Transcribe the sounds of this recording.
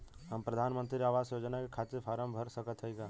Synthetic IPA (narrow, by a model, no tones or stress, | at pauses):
həmpɾəd̪ʱanmənt̪ɾiaːʋasjod͡ʒnakekʰat͡ʃ̪epʰaɾəmbʱəɾsəkət̪ɦəɦiɡa